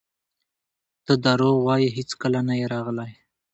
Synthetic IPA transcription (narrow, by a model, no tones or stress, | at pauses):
t̪əd̪ɑɾowɑjiɦɪt͡skəlanajeɾɑɣlaj